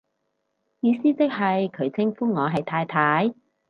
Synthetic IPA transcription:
jiː˨˧siː˥t͡sɪ˥k̚ɦɐ˨jkʰɵ˨˧ɥt͡sʰɪ˥ŋfuː˥ŋɔː˨˧ɦɐ˨jt̪ʰaː˧jt̪ʰaː˨˥j

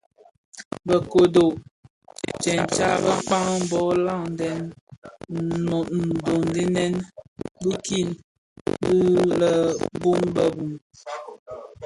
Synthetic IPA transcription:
bə˨ko˨do˨ʔ | t͡ʃɛ˨n˨t͡ʃa˦˨bə˦k͡pa˦ŋ˦m˨bɔ˦la˦˨ŋn˨dɛ˨n | no˨n̩˨do˨ndi˦nɛ˦nbi˦ki˦˨n | bi˦lə˨bu˦ŋbə˦bu˨ŋ

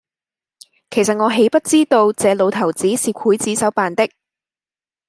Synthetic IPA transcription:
kʰe˨˩js̬ɐ˨t̚ŋɔː˨˧ɦe˨˥jpɐ˥t̚t͡siː˥t̪o˧wt͡sɛː˨˧lo˨˧wt̪ʰɐ˨˩wt͡siː˨˥siː˨kʷʰuː˨˥jt͡siː˨˥sɐ˨˥wpaː˨nt̪ɪ˥k̚

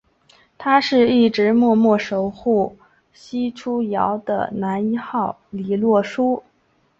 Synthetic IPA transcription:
t̪ʰa˥ʂɻ̩˥˧i˥˩ʈ͡ʂɻ̩˧˥mwɔ˥˧mwɔ˥˩ʂo˧˥ʊxu˥˩ | ɕi˥ʈ͡ʂʰu˥jɑ̰˧˥ʊd̪ə̰˧na˧˥ni˥xɑ˥˩ʊli˨˩lwɔ˥˩ʂu˥

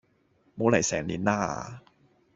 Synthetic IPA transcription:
moː˨˥la˨˩jsɛː˨˩ŋliː˨˥nnaː˥˩˧

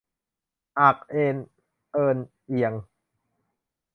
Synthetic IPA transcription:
ʔa˨˩k̚ʔeː˧n | ʔɤː˧n | ʔi˧əŋ

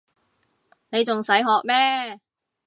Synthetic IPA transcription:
ne˨˧jt͡sʊ˨ŋsɐ˨˥jɦɔː˨k̚mɛː˥

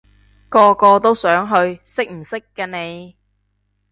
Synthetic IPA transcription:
kɔː˧kɔː˧t̪o˥wsœː˨˥ŋɦɵ˧ɥsɪ˥k̚m̩˨˩sɪ˥kːɐː˧ne˨˧j

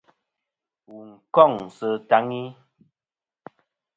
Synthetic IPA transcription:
wu˨ŋ̩˨kɔ˦˨ŋsə˨ta˦ŋi˦

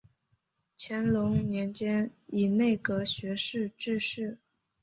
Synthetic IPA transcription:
t͡ɕʰjɛ˧˥nlʊ˧˥ŋnjɛ˧˥nt͡ɕjɛ˥ni˨˩ne˥˩ɪkɤ˧˥ɕɥɛ˧˥ʂɻ̩˥˧ʈ͡ʂɻ̩˥˧ʂɻ̩˥˩

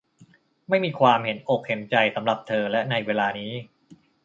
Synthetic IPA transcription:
ma˥˩jmiː˧kʰwaː˧mɦe˩˦nʔo˨˩k̚he˩˦nt͡ɕa˧jsa˩˦mɾa˨˩p̚t̪ʰɤː˧lɛ˦˥na˧jweː˧laː˧niː˦˥

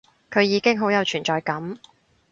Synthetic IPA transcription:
kʰɵ˨˧ɥjiː˨˧kɪ˥ŋɦo˨˥wjɐ˨˧wt͡ʃʰyː˨˩nt͡ʃɔː˨jkɐ˨˥m

